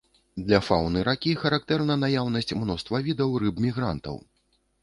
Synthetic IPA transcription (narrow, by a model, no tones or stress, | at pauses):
d̪lʲɐfawnɨɾakʲixɐɾak̚t̪ɛrnɐnajawnɐsʲt͡sʲmnɔst̪vɐvʲid̪ɐwrɨbmʲiɣɾa̰nt̪ɐ̰w